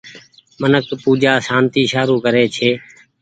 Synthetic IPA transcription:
mənəkpuːd͡ʒaːsaːnt̪iːʃaːɾuːkəɾeːt͡ʃʰeː

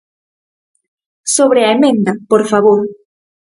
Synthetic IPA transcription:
soβɾeɐemẽnd̪ɐpoɾfaβoɾ

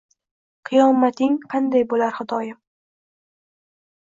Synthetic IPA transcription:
qʰɨjɒmat̪ɪŋqʰɑnd̪ajbolaɾhɨd̪ɒjɪm

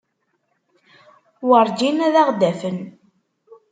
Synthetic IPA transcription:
wəɾˤd͡ʒinæðaʁd̪æfən

